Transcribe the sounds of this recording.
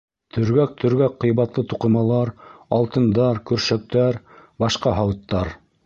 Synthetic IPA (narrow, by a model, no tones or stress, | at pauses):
t̪ʰɵ̆ɾɡæk̚t̪ʰɵ̆ɾɡæk̚qːɤ̆jβɑt̪lˠɤt̪uqɤ̆mɑlˠɑɾɑlˠt̪ɤ̆nd̪ɑɾkɵ̆ɾʃæk̚t̪æɾ | bɑʃqɑɦɑwɤ̆t̪ːɑɾ